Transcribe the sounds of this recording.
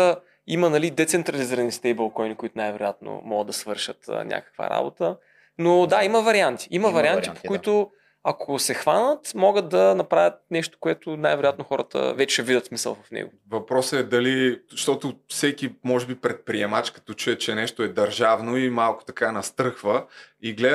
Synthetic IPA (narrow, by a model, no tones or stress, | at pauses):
imənɐlid̪ɛt̪sɛnt̪ɾɐliziɾɐnist̪ɛibɐlˠkɔjnikʊit̪ʊnajvɛɾo̰jat̪no̰mɔɡəd̪d̪ɐsvɤɾʃət̪ə̰nʲʔa̰kə̥kvə̰ɾa̰bot̪ə | nod̪aiməvɐɾiant̪i̥ʔimɐvɐɾiant̪ipo̥kʊit̪o | ɐkʰosɛxvanət̪mɔɡət̪̚d̪ɐnɐpɾavʲət̪̚nɛʃt̪o̥koɛt̪ʊnajvɛɾoʊjat̪noxɔɾə̰t̪ə̰vɛt͡ʃɛvid̪ət̪smisə̰lˠvɐfnɛ̰ɡʊ̰ | vɐpɾɔsɛd̪ɐliʃt̪ɔt̪ʊfsɛkimɔʒɛbipɾɛt̪̚pɾiɛmat͡ʃkɐ̥t̪ɔt͡ʃuɛt͡ʃɛnɛʃt̪oɛd̪ɐɾʒavnoimalˠkʊ̥t̪ɐ̥kanɐst̪ɾɤxvəiɡlɛ